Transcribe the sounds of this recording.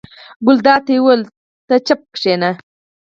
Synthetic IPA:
ɡʊld̪ɑːt̪ewəl | t̪ət͡ʃap̚kʂena

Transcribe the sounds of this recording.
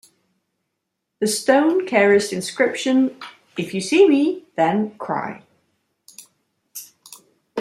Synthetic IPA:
ðəstə̃ʊ̃nkʰɛɹɪsɪ̃nskɹɪpʃə̃n | ɪfjəsiːmiðə̃nkʰɹ̥a̰ɪ

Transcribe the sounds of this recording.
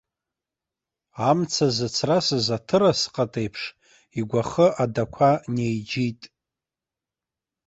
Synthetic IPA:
amt͡sʰazat͡sʰrasɨzatʰɨɾasqʼatʼejpʰʂ | iɡʷaχəʔadakʷʰanejd͡ʒitʼ

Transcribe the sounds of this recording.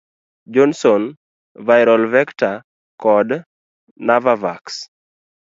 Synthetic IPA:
d͡ʒɔnsɔn | vajɾɔlvɛkta | kɔd | navavaks

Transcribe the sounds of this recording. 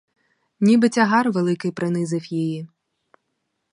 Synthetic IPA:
nʲibɪt͡sʲɐɦɑrʋelˠɪkɪjpɾɪnɪzɪwjiji

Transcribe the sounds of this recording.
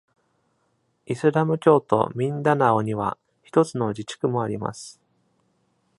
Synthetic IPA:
isɨɾamɯ̟kʲo̞ːt̪o̞̰mʲĩnd̪anaoɲ̟iβa̰ | çi̥t̪o̞t͡sɨno̞d͡ʑit͡ɕi̥kɯ̟mo̞aɾʲima̰sɨ̥

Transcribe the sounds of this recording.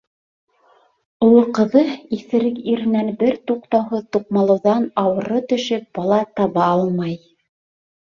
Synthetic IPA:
ŏlˠɤqɤ̆ðɤiθɘ̆ɾɘkiɾɘ̆nænbɘɾt̪uqt̪ɑwɦɤðt̪uqmɑlˠɤ̆wðɑnɑwɤ̆ɾɤt̪ɵ̆ʃɘp̚bɑlˠɑt̪ɑβɑɑlˠmɑj

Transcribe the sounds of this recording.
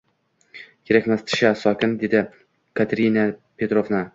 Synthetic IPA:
kʲʰeɾakʲmast̪ʰʃasɒkʲɪnd̪ed̪ɪ | kat̪ɾʲinapʰʲet̪ɾovna

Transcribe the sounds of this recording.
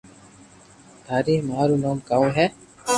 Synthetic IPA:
t̪aːɾiːhmaːɾunoːŋkɐuɦɛ

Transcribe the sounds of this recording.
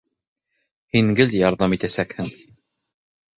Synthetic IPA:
hiŋɡɘljɑɾðɑmit̪æsækhɘŋ

